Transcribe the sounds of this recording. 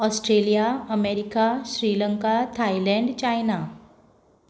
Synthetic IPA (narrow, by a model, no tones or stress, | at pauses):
ɔsʈɾelijaəmeɾikaɕɾiːləŋkat̪ʰailɛ̃ɳɖt͡ɕajna